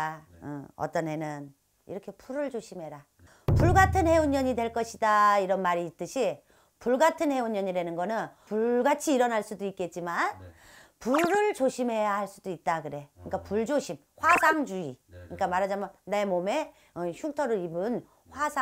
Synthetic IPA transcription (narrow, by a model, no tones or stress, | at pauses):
ɯ̰ʌ̰t͈ʌnɦe̞nɯn | ḭɾʌkʰe̞puɾɯɭd͡ʑoɕʰimɦe̞ɾa | puɭɡatʰɯnhe̞uɲːʌɲidwe̞ɭk͈ʌɕʰidaiɾʌnmaɾiːt͈ɯɕʰi | puɭɡatʰɯnhe̞uɲʌɲide̞nɯnɡʌnɯnpuɡat͡ɕʰiːɾʌnaɭs͈udoik̚k͈e̞t̚t͡ɕ͈iman | puɾɯɭd͡ʑoɕʰimɦe̞jahaɭs͈udoit̚t͈akɯɾe̞kɯɲik͈apuɭd͡ʑoɕʰim | ɸwasʰaŋd͡ʑuikɯɲik͈amaɾɦad͡ʑamjone̞mome̞ | ɯçʰuk̚tʰʌɾɯɾibɯn | ɸwasʰa